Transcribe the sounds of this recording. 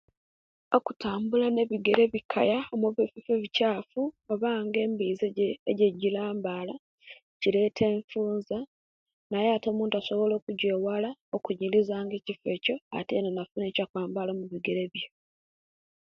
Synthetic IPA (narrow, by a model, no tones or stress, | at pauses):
o̞kutaːmbulane̞βiɡe̞ɾe̞βikʰa̰jaomuβififeβicaːfuoβaːŋɡe̞ːmbiːzeɟeɟilaːmbaːla | cile̞ːtʰe̞ːɱfuːnza | najeato̞ːmuːntuaso̞βo̞lo̞ːkuɟeːwalaokuɲilizaːŋɡe̞ːcife̞co̞a̰teːnonafunecakwaːmbalomuβiɡe̞ɾe̞βjo